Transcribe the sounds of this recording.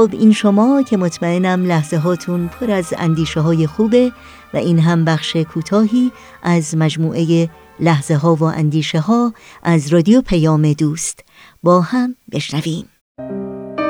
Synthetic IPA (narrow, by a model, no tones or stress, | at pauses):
xobḭːnʃomɒːcʰe̞mot̪ʰmæenæmlæhze̞ɦɒːt̪ʰunpʰoɾæzæ̰nd̪iːʃeɦɒːje̞xuːbe̞ | væ̰ʔiːnɦæmbæxʃekʰuːt̪ʰɒːɦiː | ʔæzmæd͡ʒmuːʔe̞je | læhz̥eɦɒːvoʔæ̰nd̪iːʃeɦɒːʔæzɾɒːd̪iopʰæjɒːme̞d̪uːst̪ | bɒːhæmbe̞ʃnæviːm